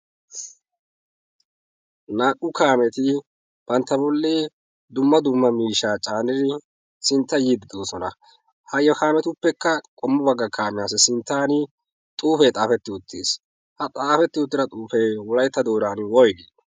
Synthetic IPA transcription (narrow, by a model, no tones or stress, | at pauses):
naːkʼːʊkaːmɛt̪ɪ | b̥ɐnt̪ːɐbɔlːeː | d̪ʊmːɐd̪ʊmːɐmiːʃaːt͡ʃʼaːnɪɾɪ | sɪnt̪ːɐjiːd̪ɪd̪oːsɔnɐ | hɐjɔkaːmɛt̪ʊpːɛkːɐkʼɔmːʊbɐɡːɐkʰaːmɪjaːsɛsɪnt̪ːaːn | t̪ʼuːfɛt̪ʼaːfɛt̪ːɪʊt̪ʰːḛːs | hɐt̪ʼaːfɛt̪ːɪʊt̪ːɪɾɐt̪ʼuːfɛjwɔlɐjt̪ːɐd̪o̞ːd̪aːnwɔjɡe